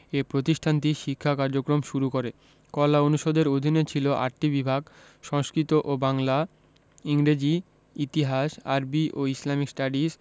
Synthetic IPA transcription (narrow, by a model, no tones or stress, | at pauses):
epɾot̪iʃʈʰant̪iʃikʰːakaɾd͡ʑokɾomʃuɾukoɾe | kɔlaonuʃod̪eɾod̪ʱinet͡ɕʰiloʔa̰ɾʈibibʱaɡ | ʃɔŋsʃkɾit̪oʔobaŋla | iŋɾed͡ʑi | it̪iɦaʃa̰ɾbiʔoislamiksʈaɖis